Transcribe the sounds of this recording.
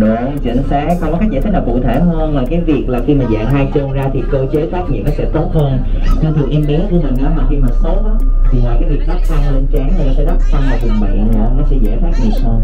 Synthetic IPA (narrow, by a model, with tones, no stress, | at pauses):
ɗo˨˧˩t͡ɕḭ˧˩ŋsa̰ː˧˦˥xɔ˧ŋ͡mɔ˨˦kːa˦˥z̰t̪ʰə˨˦˥naː˨˩kṵ˧˨t̪ʰe˧˩ɦəː˧nmaː˨˩kaː˨˦jvi˨˩ək̚laː˨˩xi˧maː˨˩za̰ː˧˨ŋɦa˧jt͡ɕo˧nzaː˧t̪ʰi˨˩ko˧t͡ɕəː˨˦˥jfʰaː˦˥k̚vḭ˧˨nːɔ˨˦sɛ̰˧˥t̪o˦˥t̚həː˧nt͡ɕɔ˧t̪ʰɨ˨˩ʔi˧mni˨˦əkṵ˧˩əmï˨˩ŋ̟ʔaː˨˦maː˨˩xi˧maː˨˩so˦˥t̚ʔaː˨˦tt̪ʰi˨˩mɔ˨˩jkaː˨˦jvi˨˩k̚ɗ̪a˦˥k̚fa˧nle˧nt͡ɕaː˨˦ŋta˨˧˩naː˨˩sɛ̰˧˥˦ɗa˦˥t̚fa˧nzaː˧kɨ˨˩ŋɓa̰˧˨ɔː˨˧˨nɔ˨˦sɛ̰˧˥zḛː˧˥fʰaː˦˥t̚zḭ˧˨ənʰə˧